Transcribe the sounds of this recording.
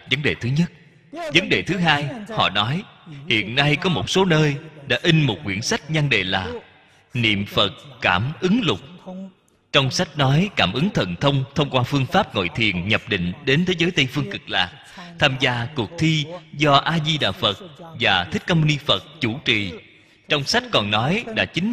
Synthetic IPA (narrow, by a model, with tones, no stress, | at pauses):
və˨˦nɗe˨˩t̪ʰɨ˨˦ɲə˦˥t̚ | və˨˦nɗḛ˨˩t̪ʰɨ˨˦ɦaː˧jhɔ̰˧˨nɔ˨˦jhḭ˧˨ənːa˧jkɔ˨˦mo˨˩t̚so˨˦nəː˧jɗa̰ː˧˥ʔi˧ŋ̟mo˨˩t̚ŋwi˧˩ənsa˦˥k̚ɲa˧nɗḛ˧˨˩laː˨˩ | nḭ˧˨əmfə˨˩t̚kaː˧˩mʔɨ˨˦ŋlʊ˨˩k͡p̚ | t͡ɕɔ˧wŋ͡msa˦˥jk̟̚nɔ˨˦jkaː˧˩mʔɨ˨˦ŋt̪ʰə̰˧˨nt̪ʰə˧wŋ͡mt̪ʰə˧wŋ͡mkwaː˧fɨ˧əŋfaː˦˥p̚ŋo̰˧˨jt̪ʰi˨˩ənɲə˨˩p̚ɗḭ̈˧˨ŋ̟ɗe˨˦nt̪ʰe˨˦zəː˨˦jt̪ə˧jfɨ˧əŋkɨ˨˩k̚la̰ː˨˩k̚ | t̪ʰaː˧mzaː˧ku˨˩ək̚t̪ʰi˧zɔ˧ʔaː˧zi˧ɗa̰ː˧˨˩fə˨˩t̚vaː˨˩t̪ʰï˦˥k̚ka˧mu˧ni˧fə˨˩t̚t͡ɕu˧˩t͡ɕḭ˨˩ | t͡ɕɔ˧wŋ͡msa˦˥jt̟̚kɔ˨˩nnɔ˨˦jɗa̰ː˧˥t͡ɕï˨˦ŋ̟